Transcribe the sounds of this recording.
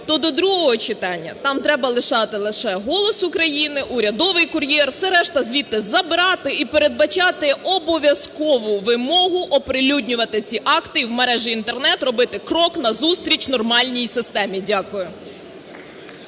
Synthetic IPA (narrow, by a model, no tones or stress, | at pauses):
t̪ɔd̪ɔd̪ɾuɦɔɦɔt͡ʃɪt̪ɑnʲːɐ̰t̪ɑmt̪ɾɛbɐlˠɪʃɑt̪ɪlˠɪʃɛɦɔlˠɔsʊkɾɐjinɪʔuɾʲɐd̪ɔʋɪjkʊɾʲjɛrwsɛɾɛʃt̪ɐzʲʋʲit̪ːɪzɐbɪɾɑt̪ɪipeɾed̪̚bɐt͡ʃɑt̪ɪɔbɔʋʲjɐskɔʋʊʋɪmɔɦʊʔɔpɾɪlʲudʲnʲʊʋɐt̪ɪt͡sʲiʔɑkt̪ɪiwmɐɾɛʒiint̪ernɛt̪rɔbɪt̪ɪkɾɔknɐzust̪ɾʲit͡ʃnɔrmɑlʲnʲijsɪst̪ɛmʲidʲakʊjʊ